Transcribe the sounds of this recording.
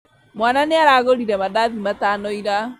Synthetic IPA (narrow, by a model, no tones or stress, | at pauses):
mwaːnaneaɾaːɣoɾiɾɛmaðaðimataːnɔiɾa